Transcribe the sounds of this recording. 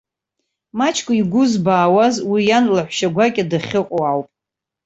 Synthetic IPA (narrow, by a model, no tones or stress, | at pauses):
mat͡ʃʰkʷʼaiɡʷʊzbaːwazwijanlaħʷʃaɡʷakʲʼadaχʲɪqʼoawpʼ